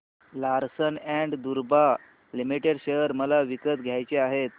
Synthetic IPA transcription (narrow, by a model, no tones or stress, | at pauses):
laɾsənæɳɖd̪uɾba | limiʈeɖɕejəɾməlaʋikət̪ɡʱjajt͡ɕeaɦet̪̚